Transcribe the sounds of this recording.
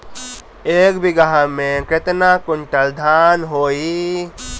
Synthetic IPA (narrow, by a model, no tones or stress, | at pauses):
eːkbɪɡaɦamẽkɾɪt̪nakʊɳʈəld̪ʱaːnɦoːi